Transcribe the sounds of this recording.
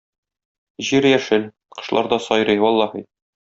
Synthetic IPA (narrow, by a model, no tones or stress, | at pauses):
ʑiɾjæʃɘl | qɤ̆ʃlˠɑ̰ɾd̪ɒsɒjɾɤjwɒlˠːɑhɤ